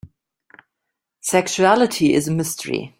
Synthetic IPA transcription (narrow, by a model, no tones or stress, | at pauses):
sɛkʃuælˠɪtʰiɪ̰zəmɪstʰəɹḭ